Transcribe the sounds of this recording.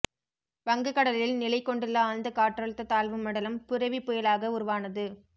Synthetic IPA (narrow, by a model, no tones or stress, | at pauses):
ʋɐŋɡɯkːɐɽɐlɪlnɪlɐɪkːɔɳɖɯlːɐaːnd̪ɐkaːʈrɐɭɯt̪ːɐt̪aːlʋɯmɐɽɐlɐmpʊɾɐʋipːʊjɐlaːɣɐʊɾʊʋaːnɐðɯ